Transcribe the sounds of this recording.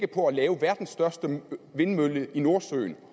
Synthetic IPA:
ɡ̥əpʰɒ̽ælɛːʊəʋæɐd̥n̩sd̥ɶɐsd̥əʋe̝nmøləʔino̝ɐsø̰ːn

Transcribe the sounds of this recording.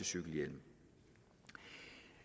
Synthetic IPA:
əsyɡ̥l̩jel̰m̩

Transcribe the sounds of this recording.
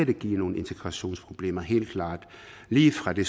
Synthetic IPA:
æd̥eɡ̥ḭːno̝ːn̩e̝nt͡sʰeɡ̥ʁɑ̈ɕo̝̰ːnspʰʁo̝b̥le̝ːmɐɦe̝̰ːld̥̚kʰlɑ̰̈ːd̥ | liːfʁɑ̈d̥e̝s

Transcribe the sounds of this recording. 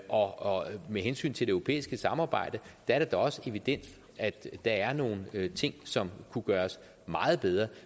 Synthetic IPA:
ʔɒ̽meɦensy̰ːnt͡sʰe̝deøʊʁo̝pʰḛːisɡ̥əsɑ̈mɑ̈ːb̥ɑ̈ɪ̰d̥əd̥ɑæɐɾ̥ed̥ɒɒ̽səe̝ʋid̥en̰d̥ | æd̥d̥ɑ̈æɐno̝ːn̩t͡sʰe̝ŋ̰sɒ̽mkʰuɡ̥ɶːɐs | mɑ̈ːð̞̩ˠb̥eð̞ˠʁɐ

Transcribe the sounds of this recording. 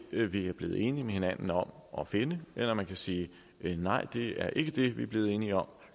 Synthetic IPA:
ʋiæɐb̥le̝ːð̩ˠe̝ːnimehe̝næn̰n̩ɒ̽mʔɒ̽fe̝nəʔelɐmænkʰæsiː | nɑ̈ɪ̰d̥e̝æɐʔe̝ɡ̥əd̥e̝ʋiæɐb̥le̝ːð̞̩ˠe̝ːniɒ̽m̰

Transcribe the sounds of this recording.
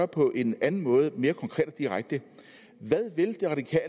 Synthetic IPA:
ɐpʰɒ̽ʔe̝nænn̩mɔ̽ːð̞ˠəme̝ːɐkʰɒ̽ŋkʰʁɛ̰ːd̥ɒd̥iʁaɡ̥̚d̥ə | ʋæðˠʋe̝ld̥e̝ʁɑ̈d̥ikʰɛ̰ːl

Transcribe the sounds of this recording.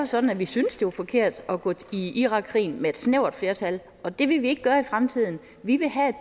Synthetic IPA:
sɒ̽d̥n̩æʋisynəsd̥e̝ʋɑfɒ̽kʰe̝ɐ̰d̥ɒɡ̥ɔiʔiʁɑ̈ɡ̥ʰʁḭːnmee̝d̥sneʊɐd̥fle̝ːɐt͡sʰæl | ɒ̽d̥e̝ʋe̝ʋie̝ɡ̥əɡ̥ɶɐifʁamt͡sʰið̞̰ˠn̩ | ʋiʋe̝ɦæed̥

